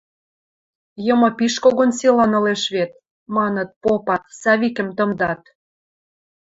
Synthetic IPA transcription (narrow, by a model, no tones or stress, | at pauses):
jɤ̆mɤ̆piʃkoɣonsilɑnɤ̆leʃβet̪̚ | mɑnə̆t̪̚popɑt̪sɑβikə̆mt̪ə̆md̪ɑt̪